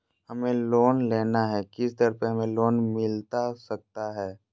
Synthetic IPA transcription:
hɐmẽloːnleːnaɦɛːkɪst̪əɾpəɦɐmẽloːnmɪlt̪asɐk̚t̪aɦɛː

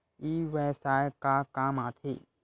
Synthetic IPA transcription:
iːʋɛsaːjkakaːmaːt̪ʰi

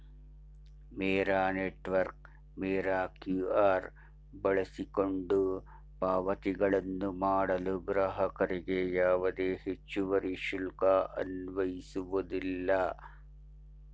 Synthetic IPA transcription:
meːɾaːneːʈːʋɐɾk̚ | meːɾaːkjuaːɾ | bɐɭɐsiko̞ɳɖu | paːʋɐt̪iɡɐɭɐnːumaːɽɐluɡɾɐɦɐkɐɾiɡejaːʋɐd̪eːhit͡ʃːuʋɐɾiʃulkɐʔɐ̰nʋɐjisuʋɐd̪ilːɐ

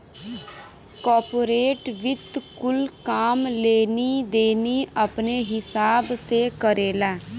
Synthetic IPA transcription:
kɔːɾpoːɾeːʈʋɪt̪kʊlkaːmleːniːd̪eːniːəpneːɦɪsaːbseːkəɾeːlɛː

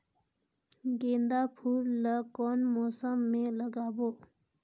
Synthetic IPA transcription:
ɡend̪apʰuləkɔnmosamːeləɡapo

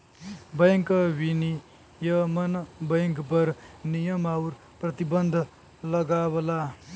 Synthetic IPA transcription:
bʌjŋkʌwini | jʌmʌnʌbʌjŋkpʌɾnijʌmawɾ | prʌt̪ibʌnd̪ʱ | lʌɡabʌla

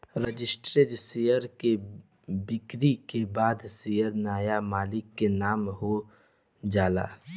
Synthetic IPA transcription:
ɾəd͡ʒɪsʈɾed͡ʒsijəɾke | bɪkɾikebaːd̪sijəɾnaːjamaːlɪkːenaːmɦo | d͡ʒaːla̰ː

